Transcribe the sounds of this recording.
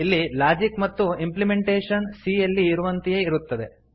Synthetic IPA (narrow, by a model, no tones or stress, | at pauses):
ilːilaːd͡ʒikmɐt̪ːuimplime̞ɳʈeːʂɐnsijɐlːiːɾuʋɐnt̪ijeiɾut̪ːɐd̪e̞